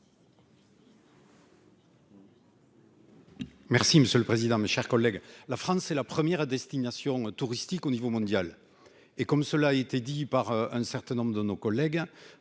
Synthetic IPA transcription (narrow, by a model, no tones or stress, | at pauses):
mɛʁsiməsjøləpχezid̪ɑ̃meʃɛʁkɔlːɛɡlafχɑ̃sɛlapχəmjɛʁd̪ɛst̪inasjɔ̃t̪uʁist̪ikonivomɔ̃d̪jal | ekɔmsəlaːet̪ed̪ipaʁɛ̃sɛʁt̪ɛ̃nɔ̃mbʁəd̪ənokɔlɛɡ